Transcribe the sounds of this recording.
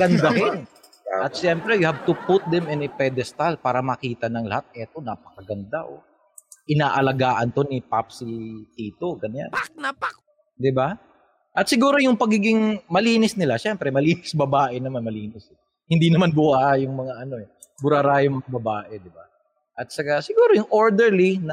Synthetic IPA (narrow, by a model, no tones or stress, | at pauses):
ɡɐnd̪ɐhɪn | ʔɐt̪̚ʃɛmpɾɛjʊhab̚t̪ʊpʊt̪̚d̪ɛmɪnɪpɛd̪ɛst̪alpaːɾɐmɐkiːt̪ɐnɐŋlɐ̰hat̪̚ɛt̪o̞naːpɐ̥kɐɡɐnd̪aʔo | ʔɪnaːʔɐlɐɡaːʔɐnt̪o̞nɪpap̚sit̪iːt̪o̞ɡɐnɲa̰npak̚nɐpak̚ | d̪ɪba | ʔɐt̪̚sɪɡuːɾo̞jʊŋpɐɡiːɡɪŋmɐliːnɪsnɪlaʃɛmpɾɛmɐliːnɪsbɐbaːʔɛnɐmanmɐliːnɪs | hɪnd̪inɐmanbʊaʔajʊŋmɐŋaʔɐno̞ɛ | bʊɾaɾaːjʊŋmɐŋɐbɐbaːʔɛd̪ɪba | ʔɐt̪̚t͡ʃɐkasɪɡuːɾojʊŋʔoɹd̪ɛɹlinɐ